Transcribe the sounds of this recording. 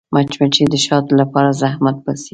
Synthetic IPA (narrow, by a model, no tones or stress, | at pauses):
mʔat͡ʃmat͡ʃid̪əʃɑt̪lapɑɾazahmat̪̚basi